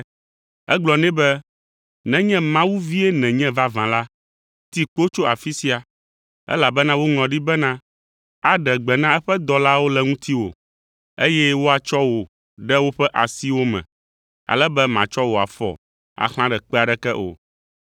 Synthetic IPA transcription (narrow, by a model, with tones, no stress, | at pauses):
ɛ̰˦ɡ͡blɔ˨nɛ̃˦bɛ˦ | nɛ̃˨ɲɛ̃˦mã˦wu˦vi˦ɛ˦nɛ̃˨ɲɛ̃˦va˦vã˨la˦ | t̪i˦k͡po˦t͡ʃo˦a˨fi˦si˦a˨ | ɛ̰˦la˨bɛ˦nã˦wo˦ŋɔ̃˨ɖi˦bɛ˦nã˦ | a˨ɖɛ˨ɡ͡bɛ˨nã˦ɛ˦ɸɛ˦d̪ɔ˨la˦wo˦lɛ˦ŋũ˦t̪i˦wo̰˨ | e˦jɛ˦wo˦a˨t͡ʃɔ˦wo˨ | ɖɛ˦wo˦ɸɛ˦ʔa˨si˦wo˦mɛ̰̃˨ | a̰˨lɛ˦bɛ˦mã˨t͡ʃɔ˦wo˨a̰˨fɔ̰˨ | a̰˨xlã˦ɖɛ˨k͡pɛ˦a˨ɖɛ˦kɛ˦ʔo̰˨